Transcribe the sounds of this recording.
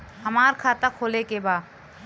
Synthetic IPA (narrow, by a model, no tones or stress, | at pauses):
ɦɐmaːɾkʰaːt̪akʰoːlekebaː